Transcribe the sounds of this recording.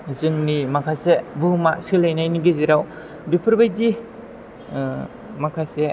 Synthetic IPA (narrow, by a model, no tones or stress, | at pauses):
zɯŋnimakʰasebɯmasɯlajnajniɡiziɾaw | bipʰɯɾbajdi | makʰase